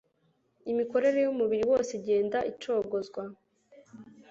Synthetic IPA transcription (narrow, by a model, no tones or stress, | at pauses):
imiko̞ɾe̞ɾe̞jumuβiɾiwo̞ːseɟe̞ːndaʔit͡ʃo̞ɡozɡwa